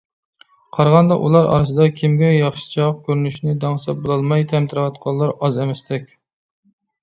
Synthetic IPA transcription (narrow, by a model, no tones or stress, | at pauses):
qʰɑɾʁɑnd̪ɑʔṵlˠɑɾɑ̰ɾɨsɨd̪ɑkʲʰimɡʲɛjɑχʃɪ̥t͡ʃʰɑq̚kʲʰøɾynyʃnɪd̪ɑŋsɛbolˠɑlˠmɑjt̪ʰɛmt̪ʰɪɾɨwɑt̪qʰɑlˠːɑɾɑzɛmɛst̪ɛkʲ